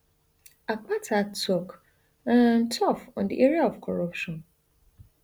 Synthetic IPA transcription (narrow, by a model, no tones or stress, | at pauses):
ak͡patʰatʰɔk | ãntʰɔfɔ̃ndḭʔeɹiaɔv̥kʰɔɹɔpʃɔ̃n